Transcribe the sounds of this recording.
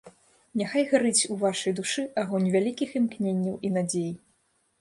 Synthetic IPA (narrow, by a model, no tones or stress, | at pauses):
nʲaxajɣaɾɨt͡sʲuvaʂɐjd̪uʂɨʔaɣɔnʲvʲalʲikʲiximknʲenʲːiwʔinad͡zʲej